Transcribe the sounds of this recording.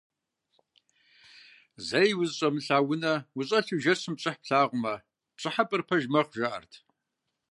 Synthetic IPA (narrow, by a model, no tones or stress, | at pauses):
zɐjwʊzɕʼɐmɬaːwʊnɐwʊɕʼɐɬɨʒɐsɨmɕʼɪħpɬaːʁʷʊmɐ | ɕʼɨħapʼɨrpʰɐʒmɐqʒaʔɐ̰rtʰ